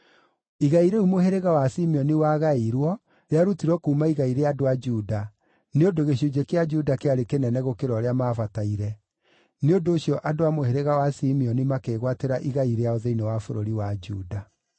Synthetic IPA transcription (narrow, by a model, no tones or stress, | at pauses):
iɣaiɾeumoɦeɾeɣawasimiɔniwaɣaiɾwɔ | ɾeaɾutiɾɔkuːmaiɣaiɾeadoad͡ʒuda | neodoɣeɕud͡ʑekead͡ʒudakeaɾekenɛnɛɣokeɾɔɾeamaːfataiɾɛ | neondoːɕjɔʔadoamoheɾeɣawasimiɔnimakeɣwateɾaʔiɣaiɾeaoðeinewafoɾoɾiwad͡ʒuda